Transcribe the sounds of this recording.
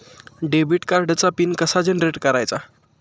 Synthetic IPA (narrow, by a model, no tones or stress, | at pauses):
ɖebiʈkaɾɖt͡sapinkəsad͡ʑenɾeʈkəɾajt͡sa